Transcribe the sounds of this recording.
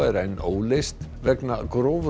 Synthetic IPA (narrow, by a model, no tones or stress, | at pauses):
ɛɾejnowlɪst̪ | vɛknaɡɾoːv